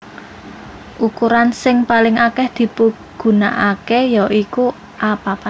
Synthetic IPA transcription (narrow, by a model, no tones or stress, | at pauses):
ʔukuɾansɪŋpalɪŋakɛhd̪̥i̤puɡ̥ṳna̰ʔakejɔʔiku | ʔapapa